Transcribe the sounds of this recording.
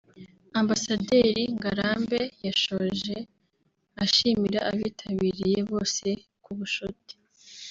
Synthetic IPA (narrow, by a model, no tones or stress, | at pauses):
ambasadeɾiŋɡaɾaːmbe̞jaʃo̞ʒe | aʃimiɾaʔaβiːtʰaβiːɾije̞βo̞ːse̞ | kuβuʃoti̥